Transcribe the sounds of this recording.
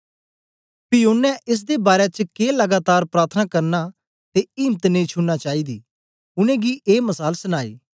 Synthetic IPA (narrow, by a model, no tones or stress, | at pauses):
pɪonːɛʔɪs̬d̪ebaːɾet͡ʃkeːlɐɡaːt̪aːɾpɾaːɾt̪ʰnakɐɾna | t̪eiːmt̪neĩt͡ʃʰʊnnat͡ʃaːiːd̪iː | ʊnẽɡiʔeːmɐsaːlsʊnaːḭː